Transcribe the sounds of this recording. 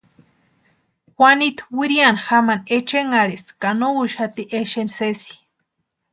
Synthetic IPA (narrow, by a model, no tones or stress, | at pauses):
xʷanit̪wiɾianxamanet͡ʃeŋaɾeskanouʃhat̪iʔeʃensesi̥